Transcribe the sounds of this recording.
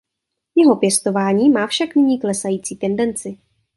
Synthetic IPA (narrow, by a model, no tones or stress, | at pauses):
jɛɦo̞pjɛst̪o̞vaːɲiːmaːfʃaknɪɲiːklɛsajiːt͡siːt̪ɛndɛnt͡sɪ